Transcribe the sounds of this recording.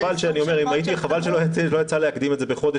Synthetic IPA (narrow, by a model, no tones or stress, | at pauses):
valʃeanio̞me̞ʁimait̪ieχavalʃelojalo̞jat͡saleakd̪imetze̞beχo̞d̪e